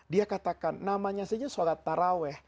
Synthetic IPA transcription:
diakat̪akanːamaɲasad͡ʒasaɡat̪ːaɾawɛh

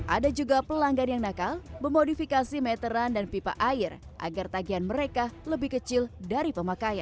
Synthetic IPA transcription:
ʔadad͡ʒuɡapəlaŋɡanjaŋnakalbərmodifikasimɛt̪əɾandanpipa̰ʔaɪrʔa̰ɡart̪aɡianməɾekaləbɪhkət͡ʃɪldaɾipəmakajan

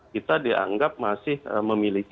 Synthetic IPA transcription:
kit̪adiʔa̰ŋɡap̚masɪhə̰məmilik

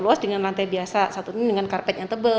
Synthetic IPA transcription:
luasdəŋanlant̪abiasasat̪unudəŋankarpɛt̪̚jaŋt̪əbə

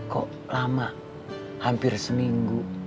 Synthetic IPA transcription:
kɔ̰ʔ | lama | hampɪrsəmiŋɡu

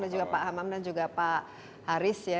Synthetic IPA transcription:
dand͡ʒuɡapaɦamamdand͡ʒuɡapaʔ | haɾɪsja

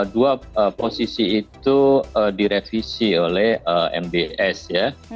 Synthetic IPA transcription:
duaəposisiːt̪uədiɾefisiolɛhəɛ̰mbeʔɛsja

